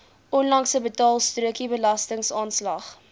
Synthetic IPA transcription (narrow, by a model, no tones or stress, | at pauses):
ʔɔnlɐŋsəbətɑːlˠstruəkibəlɐstəŋsɑːnslɐχ